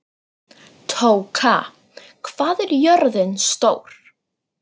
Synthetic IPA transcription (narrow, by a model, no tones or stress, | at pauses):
t̪ʰowkʰa | kʰv̥aːðɛɾjœɾðɪnst̪owɾ̥